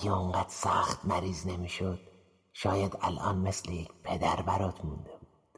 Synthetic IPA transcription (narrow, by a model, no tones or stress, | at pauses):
oŋɢæd̪̥sæxt̪mæɾiːzne̞miːʃod̪̥ | ʃɒːjæd̪æ̰lʔɒ̰ːnmeslejecʰpʰe̞d̪æɾbæɾɒːt̪ʰmund̪ebuːd̪̥